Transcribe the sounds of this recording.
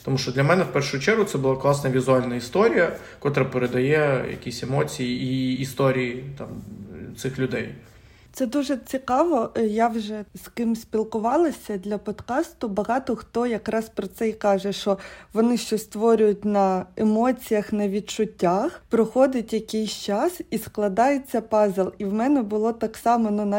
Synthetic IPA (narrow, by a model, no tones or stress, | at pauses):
t̪ɔmuʃt͡ʃɔd̪lʲɐmɛnɛwpɛrʃʊt͡ʃɛɾɦʊt̪ɛbʊlˠɑklˠɑsnɐʋʲizʊɑlʲnɐist̪ɔɾʲijɐ | kɔt̪ɾɐpeɾed̪ɐjɛjɐ̰kʲisʲemɔt͡sʲijiiːst̪ɔɾʲijit̪ɑ̰mt̪sɪxlʲʊd̪ɛj | t̪sɛd̪uʒɛt͡sʲikɑʋɔjaʋʒɛskɪmsʲpʲilˠkʊʋɑlˠɐsʲɐd̪lʲɐpɔd̪kɑst̪ʊbɐɦɑt̪ɔxt̪ɔjɐkɾɑspɾɔt̪sɛikɑʒɛʃt͡ʃɔʋɔnɪʃt͡ʃɔst̪ʋɔɾʲʊjʊtʲnɐemɔt͡sʲijɐxnɐʋʲid̪̚t͡ʃʊtʲːaxpɾɔxɔd̪ɪtʲjɐkɛjsʲt͡ʃɑsisklˠɐd̪ɑjet͡sʲːɐpɑzelˠiwmɛnɛbʊlˠɔt̪ɑksɑmɔnʊnɑ